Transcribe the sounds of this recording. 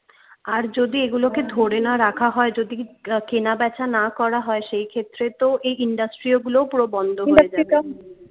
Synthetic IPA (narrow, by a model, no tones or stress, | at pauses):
aɾd͡ʑod̪ieɡuloked̪ʱoɽenaɾakʰaɦɔed͡ʑod̪ikenabɛt͡ɕʰanakɔɾaɦɔeʃejkʰet̪ːɾet̪oʔejiɳɖasʈɾioɡulopuɾobɔnd̪ʱoɦoed͡ʑa